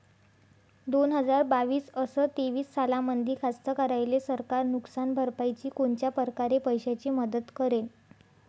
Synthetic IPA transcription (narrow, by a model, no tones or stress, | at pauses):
d̪onɦəd͡zaɾbaʋiːsəsət̪eʋiːsːalãmənd̪iːɾkʰast̪əkəɾajlesəɾkaɾnuksanbʱəɾpajt͡ɕiːkoɳt͡ɕjapəɾkaɾepəjɕat͡ɕiːməd̪ət̪kəɾel